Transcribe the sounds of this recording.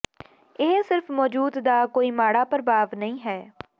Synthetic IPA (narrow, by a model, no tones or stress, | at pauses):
ɪɦsɪɾfmɔːd͡ʒuːd̪d̪aːkoːiːmaːɽaːpəɾbaːʋnəĩːɦɛː